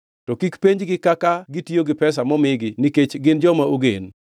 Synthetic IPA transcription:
tɔkikpeɲd͡ʒɡɪkakaɡitioɡɪpɛsamɔmɪɡɪniket͡ʃɡɪnd͡ʒɔmaoɡḛn

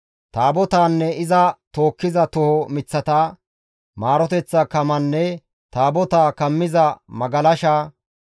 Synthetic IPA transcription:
t̪aːbɔt̪aːnːɛɪzɐt̪o̞ːkːɪzɐt̪ʊhɔmɪt͡sːɐt̪a | maːɾɔt̪ɛt͡sːɐkɐmɐnːɛ | t̪aːbɔt̪aːkɐmːɪzɐmɐɡɐlɐʃaː

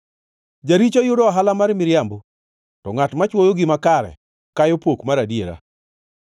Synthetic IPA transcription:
d͡ʒaɾit͡ʃojʊdɔɦalamaɾmɪɾjambo | tɔŋatmat͡ʃwojoɡɪmakaɾɛ̰ | kajopokmaɾadieɾa̰

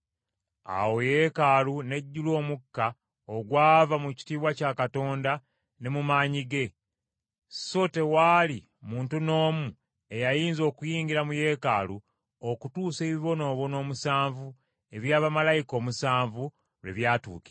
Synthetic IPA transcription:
a̰wo̞je̞kalune̞ɟːulo̞ːmukːa | oɡwaːvamuci̥tiːβwacaːkato̞ːnda | ne̞mumaːɲiɡe̞ | so̞te̞waːli | muːntuno̞ːmu | e̞jajiːnzo̞ːkujiːɲɡiɾamuje̞ka̰lu | okutuːse̞ːβiβo̞no̞ːβo̞no̞ːmusaːɱvu | e̞βjaːβamalajiko̞ːmusaːɱvu | lwḛβjaːtṵːke̥

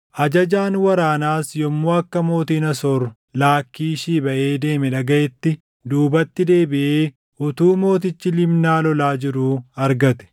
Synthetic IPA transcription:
ʔɐd͡ʒɐd͡ʒaːnwɐɾaːnaːsjɔmːoːɐkːɐmo̞ːt̪iːnɐsɔɾ | laːkːiːʃiːbɐʔe̞ːd̪e̞ːmɛᶑɐɡɐʔɛt̪ːɪ | d̪uːbɐt̪ːɪd̪e̞ːbɪʔeː | ʔʊt̪uːmo̞ːt̪̬ɪt͡ʃːɪlɪmnaːlɔlaːd͡ʒɪɾuːɐɾɡɐt̪ɛ̥

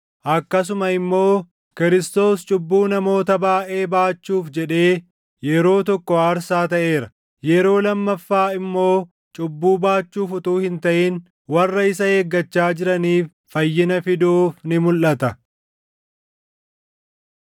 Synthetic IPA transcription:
ʔɐkːɐs̬ʊmɐɪmːo̞ː | kɪɾɪst̪o̞ːst͡ʃʼʊbːuːnɐmo̞ːt̪ɐbaːʔe̞ːbaːt͡ʃːuːfd͡ʒɛᶑe̞ː | jɛɾo̞ːt̪ɔkːɔaːɾsaːt̪ɐʔe̞ːɾɐ | jɛɾo̞ːlɐmːɐfːaːɪmːo̞ː | t͡ʃʼʊbːuːbaːt͡ʃːuːfʊt̪uːhɪnt̪ɐʔɪn | wɐrːɐɪsɐheːɡːɐt͡ʃːaːd͡ʒɪɾɐniːfːɐjːɪnɐfɪd̪oːfnɪmʊlʔɐt̪ɐ

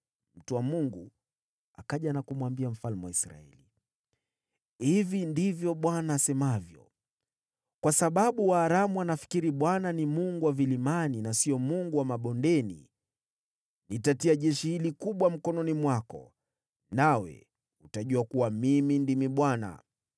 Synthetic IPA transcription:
m̩tuwamuŋɡu | akaʄanakumwambiam̩falmuwaisɾa̰ɛ̰li | hivindivjɔɓwanaːsɛmavjɔ̰ | kwasaɓaɓuwaːɾamuanafi̥kiɾiɓwananimuŋɡuwavilimaninasiɔmuŋɡuwamaɓɔndɛnḭ | nitatiaʄɛʃihilikuɓwam̩kɔnɔnimwakɔ̰ | nawɛ̰ | utaʄuakuwamimindimiɓwana̰

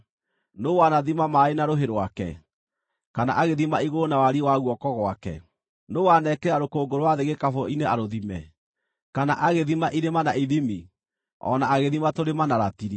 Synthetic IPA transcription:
nowanaðimamaenaɾoɦeɾwakɛ̰ | kana̰ʔaɣeðimaiɣonawaɾiwaɣwɔkɔɣwakɛ̰ | nowanɛkɛɾaɾokoːɡoɾwaðeɣekafɔineaɾoðimɛ | kana̰ʔaɣeðimaʔiɾemanaiðimi | ɔ̰naaɣeðimatoɾemanaɾatiɾi

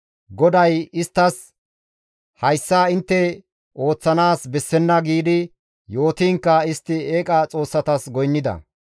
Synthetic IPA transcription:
ɡɔd̪ɐjɪst̪ːɐs | hɐjsːaːɪnt̪ːɛ | o̞ːt͡sːɐnaːsbɛsːɛnːɐɡiːd̪ɪ | jo̞ːt̪iːŋkːɐɪst̪ːɪeːkʼɐt͡sʼo̞ːsːɐt̪ɐsɡɔjnːɪd̪ɐ̰

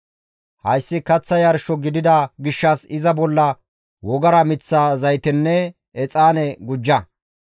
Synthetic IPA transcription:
hɐjsːɪkɐt͡sːɐjɐɾʃɔɡɪd̪ɪd̪ɐɡɪʃːɐsɪzɐbɔlːɐ | wɔɡɐɾɐmɪt͡sːaːzɐjt̪ɛnːɛ | ɛt͡sʼaːnɛɡʊd͡ʒːɐ

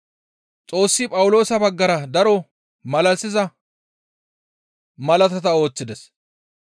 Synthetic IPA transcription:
t͡sʼo̞ːsːɪpʼɐwʊlo̞ːsɐbɐɡːɐɾɐd̪ɐɾɔ | mɐlɐsɪzɐ | mɐlɐt̪ɐt̪ɐo̞ːt͡sːɪd̪ɛs

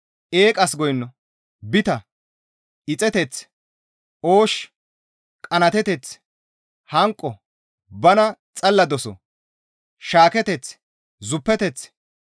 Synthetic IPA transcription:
ʔeːkʼɐsɡɔjnːɔ | bɪt̪ɐ | ɪt͡sʼɛt̪ɛt͡s | oːʃ | kʼɐnɐt̪ɛt̪ɛt͡s | hɐŋkʼːɔ | bɐnɐ | t͡sʼɐlːɐd̪ɔsɔ̰ | ʃaːkɛt̪ɛt͡s | zʊpːɛt̪ɛt͡s

